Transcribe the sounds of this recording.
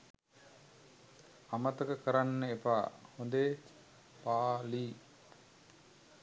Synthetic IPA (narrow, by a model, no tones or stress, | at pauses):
ɐmɐt̪ɐkəkəɾanːəepaːhond̪eː | paːliː